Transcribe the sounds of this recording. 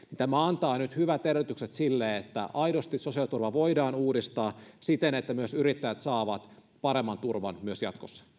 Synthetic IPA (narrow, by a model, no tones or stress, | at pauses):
nint̪æmæɑnt̪ɑːnyt̪hyʋæt̪erʋyt̪ykset̪silːeet̪ːæ̰ʔɑidost̪issosiɑlit̪urʋɑʋoidɑːnuːdist̪ɑːsit̪enet̪ːæmyøsyɾit̪ːæjæt̪sɑːʋɑt̪ | pɑɾemːɑnt̪urʋɑ̰nmyøsjɑ̰t̪kosːɑ̥